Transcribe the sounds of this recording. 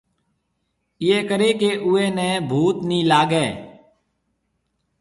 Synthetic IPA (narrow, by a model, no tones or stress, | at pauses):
ɪjeːkəɾeːkeːʔʊːeːnɛ̃ːbʱuːt̪nĩːlaːɡɛː